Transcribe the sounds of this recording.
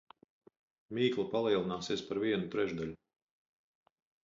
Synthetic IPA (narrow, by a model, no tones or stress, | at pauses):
miːklˠapalˠiɛlˠinaːsiɛspaɾviɛnut̪ɾɛʒd̪alʲu